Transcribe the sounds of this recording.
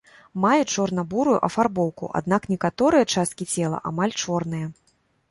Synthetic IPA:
majut͡ʂɔrnɐbuɾujṵʔɐfarbɔwˠkṵʔa̰d̪naknʲɛkat̪ɔɾɨjɐt͡ʂast̪̚kʲit͡sʲɛlˠɐ̰ʔa̰malʲt͡ʂɔrn̪ɨjɐ

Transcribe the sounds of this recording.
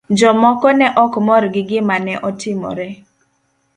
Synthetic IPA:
d͡ʒɔmɔkɔnɛʔɔkmɔɾɡɪɡɪmanɛʔɔtɪmɔ̰ɾɛ

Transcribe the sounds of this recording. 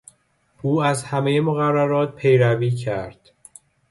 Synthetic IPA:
ʔuːæzhæme̞jemoɣærːæɾɒːt̪̚pʰe̞jɾæviːcʰæɾd̪̥

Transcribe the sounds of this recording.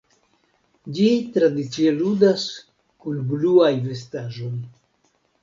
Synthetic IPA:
d͡ʒitɾadit͡sieludas | kunbluajve̞staʒo̞j

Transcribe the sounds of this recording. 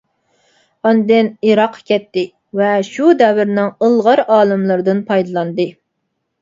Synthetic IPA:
ɑnd̪ɪniɾɑqʰːkʲɛt̪ːɪ | vɛʃud̪ɛvɪɾnɪŋəlˠʁɑɾɑːlˠɨmlˠɨɾɨd̪ɨnpʰɑjd̪ɨlˠɑnd̪ɨ

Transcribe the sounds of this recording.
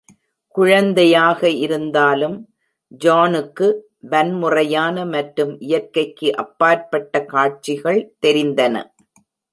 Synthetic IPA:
kʊɻɐnd̪ɐjaːɣɐʔɪɾɯnd̪aːlɯm | d͡ʒaːnɯkːɯ | ʋɐnmʊrɐjaːnɐmɐʈɾɯmʔɪjɐɾkːɐɪkːɯʔɐpːaːɾpɐʈːɐkaːʈ̚t͡ʃɪɣɐɭt̪ɛɾɪnd̪ɐnɐ̰

